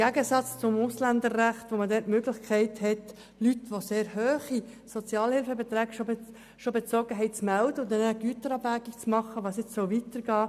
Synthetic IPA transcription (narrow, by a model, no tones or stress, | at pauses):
ɡ̥æɡəsɑt͡st͡sʊmʊslænd̪ərːæχt̪ʋomədɛtmøɡlɪχkʰɛɪthɛt | lytʋoseːɾhøːχi | sot͡sjɑːlhɪlfəbet̪ɾæːɡʃo | ʃobet͡sɔːɡəɦɛɪtt͡smældəʊnd̪ɛnəɡ̥yət̪əɾɑːbæɡik̚t͡smɑχːəʋɑːsjɪt͡ssɔʊʋitəɾɡ̥ɑː